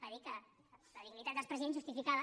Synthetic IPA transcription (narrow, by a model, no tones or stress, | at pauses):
pəðikə | ləðiɡnit̪at̪d̪əlspɾəziẽnzʒust̪ifikaðə